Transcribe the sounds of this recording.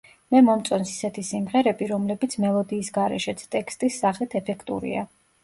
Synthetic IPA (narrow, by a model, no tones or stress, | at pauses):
mɛmɔmt̪sʼɔnsi̥sɛt̪ʰisimʁɛɾɛbiɾɔmlɛbit̪sʰmɛlˠɔd̪iːsɡaɾɛ̰ʃɛt̪sʰt̪ʼɛkst̪ʼisːaχlit̪ʰɛpʰɛkʰt̪ʼṵɾḭa̰